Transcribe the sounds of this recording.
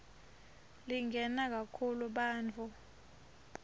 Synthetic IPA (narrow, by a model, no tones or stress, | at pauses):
liŋɡʱɛnak̬akʰuluɓaːnt͡fʰu